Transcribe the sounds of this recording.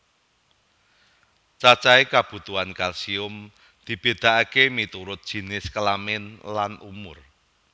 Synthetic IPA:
t͡ʃat͡ʃaekab̥ṳt̪uankalsiʊm | d̪̥i̤b̥e̤d̪̥a̤ʔakemit̪uɾʊt̪̚ʒ̥i̤nɪskəlamɪnlanʔumʊr

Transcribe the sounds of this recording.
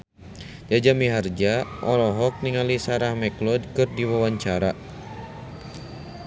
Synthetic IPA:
d͡ʒad͡ʒamiɦard͡ʒaʔɔlɔɦɔk̚niŋalisaɾahmɛklɔdkɨrdiwawaɲt͡ʃaɾa

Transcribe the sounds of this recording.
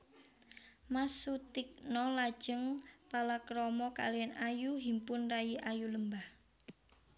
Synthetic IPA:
masut̪ɪk̚nɔlad̥ʒ̥əŋpalakɾɔmɔka̰lianajuɦimpʊnrajiʔajuləmbah

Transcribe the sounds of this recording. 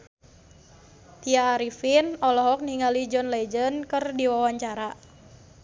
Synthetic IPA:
t̪iaːɾifinɔlɔɦɔk̚niŋalid͡ʒɔnlɛd͡ʒənkərdiwawaɲt͡ʃaɾa

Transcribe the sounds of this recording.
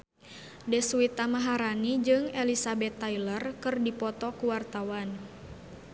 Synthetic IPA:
dɛsuit̪amaɦaɾanid͡ʒɨŋɛlisabɛt̪ːailərkɨrdipɔt̪ɔkuwart̪awan

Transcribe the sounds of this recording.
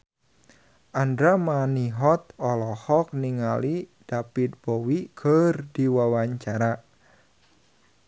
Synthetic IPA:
ʔand̪ɾamaniɦɔt̪ɔlɔhɔk̚niŋalid̥apit̪̚b̥owikʰərdiwawaɲt͡ʃaɾa

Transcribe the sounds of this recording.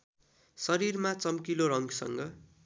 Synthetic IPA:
sʌɾirmat͡sʌmkiloɾʌŋɡsʌ̰ŋɡʌ

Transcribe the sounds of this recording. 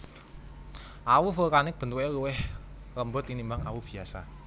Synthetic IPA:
ʔawufəkanɪk̚b̥ə̤nt̪uweluwɪh | ləmbʊt̪inimbaŋa̰wub̥i̤asa

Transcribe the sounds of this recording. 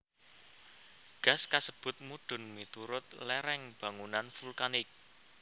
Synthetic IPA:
ɡ̥a̤skasəb̥ʊ̤t̪̚muɖ̪̥ʊ̤nmit̪uɾʊt̪̚lɛɾɛŋb̥a̤ŋunanfulkanɪk̚

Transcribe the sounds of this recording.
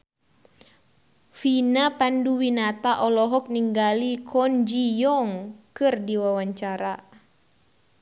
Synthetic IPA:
finapanduwinat̪aʔɔlɔɦɔk̚niŋɡalikʰɔnd͡ʒijɔŋkɨrdiwawaɲt͡ʃaɾa

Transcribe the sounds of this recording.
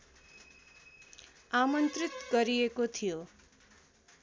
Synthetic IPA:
amʌnt̪rit̪ɡʌɾijekot̪ʰijo

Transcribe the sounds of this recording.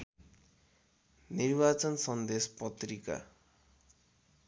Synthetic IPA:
nirbat͡sʌnsʌnd̪espʌt̪rika̰

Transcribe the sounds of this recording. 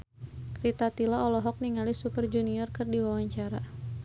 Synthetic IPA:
kɾit̪at̪ilaɔlɔɦɔk̚niŋalisupərd͡ʒuniɔrkɨrdiwawaɲt͡ʃaɾa

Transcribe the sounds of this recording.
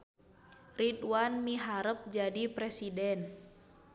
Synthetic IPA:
ritwanmiɦaɾəp̚d͡ʒadipɾɛsidɛn

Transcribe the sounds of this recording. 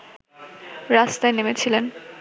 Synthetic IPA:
ɾast̪aenemet͡ɕʰilen

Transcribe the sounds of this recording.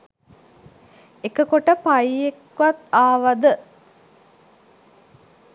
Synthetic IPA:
ekəkoʈəpajekː | ʋat̪aːʋad̪ə

